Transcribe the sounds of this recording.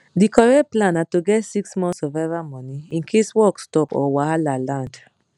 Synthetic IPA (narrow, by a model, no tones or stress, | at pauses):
dikɔɹɛt̚plãnatoɡɛtsiksmɔ̃nsɔvɛvamɔ̃niĩnkʰeswɔkstɔpɔ̰waalalãnd